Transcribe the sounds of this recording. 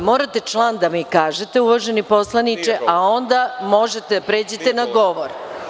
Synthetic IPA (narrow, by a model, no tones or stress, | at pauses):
mo̞ːɾat̪et͡ʃlˠaːnd̪amikaːʒet̪euʋoʒenipo̞slˠanit͡ʃeʔao̞nd̪amo̞ʒet̪ed̪apɾe̞ːd͡ʑet̪enaɡo̞ʋoɾ